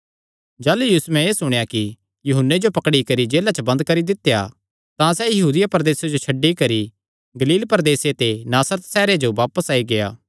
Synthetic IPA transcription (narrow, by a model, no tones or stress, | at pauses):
d͡ʒaːlujuːsmɛ̃eːsʊɽ̃jaki | jʊɦənːed͡ʒopɐkɽikɐɾid͡ʒeːlat͡ʃəbɐ̃nd̪kɐɾid̪ɪt̪ːeja̰ | t̪ãsɛjɐɦuːd̪ɪjapɐɾd̪eːsad͡ʒot͡ʃʰɐɖːikɐɾi | ɡɐliːlpɐɾd̪eːset̪enaːsɾət̪sɛːɾed͡ʒoʋaːpəsaːiɡeja̰ː